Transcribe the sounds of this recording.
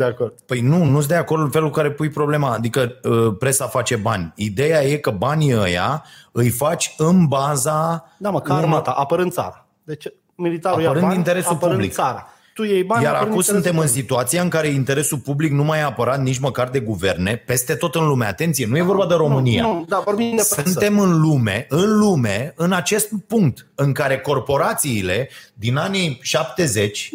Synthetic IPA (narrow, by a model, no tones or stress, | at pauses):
d̪eakord̪pəjnunus̬d̪eako̞rd̪ɨnfelkukaɾe̞pujpɾo̞ble̞maːd̪ikəəpɾe̞safat͡ʃe̞banʲid̪e̞jaje̞kəbanʲiəja̰ɨjfat͡ʃʲɨnbazad̪akamat̪aʔapəɾɨnd̪sa̰ɾa | d̪et͡ʃe | milit̪aɾaujaəɾɨnd̪int̪e̞ɾe̞sulppublikaɾa | t̪ujejbajaɾa̰kusunt̪e̞mɨnsit̪uat̪sijaɨŋkaɾe̞int̪e̞ɾe̞sulpubliknumajaːpəɾat̪nit͡ʃməkard̪e̞ɡuve̞̰rne̞pe̞st̪e̞t̪o̞t̪ɨnlumea̰t̪e̞nt̪sije̞nuje̞vo̞rbad̪eɾo̞mɨnija̰d̪avoɾbid̪esɨnt̪e̞mɨnlume̞̰ɨnlume̞ɨnat͡ʃe̞st̪puŋk̚t̪ɨŋkaɾe̞ko̞rpo̞ɾat̪siːle̞d̪inaniʃap̚t̪e̞ze̞t͡ʃʲ